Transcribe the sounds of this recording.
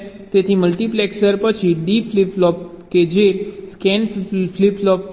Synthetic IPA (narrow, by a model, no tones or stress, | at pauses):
t̪et̪ʰiməlʈiplɛksəɾpət͡ʃʰiɖipliplɔp | ked͡ʒeskɛnfliplɔp